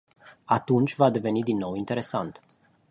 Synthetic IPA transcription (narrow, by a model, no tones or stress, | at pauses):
at̪unt͡ʃʲvad̪e̞ve̞nid̪inːo̞wint̪e̞ɾe̞sa̰nt̪